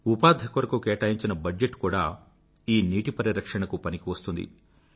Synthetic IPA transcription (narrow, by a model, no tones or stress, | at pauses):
upaːd̪ʱɐkʋɐɾɐkukeːʈaːjiɲt͡ʃinɐbɐd͡ʒeʈːkuːɽa̰ː | iːniːʈipɐɾɐɾɐkʂɐɳɐkupɐnikiʋɐst̪und̪ḭ